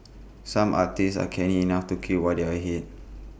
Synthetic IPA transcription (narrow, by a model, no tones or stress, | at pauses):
sãmʔa̰k̚tisa̰kʰɛ̃nĩːnaftukʰiwadiaɦit̚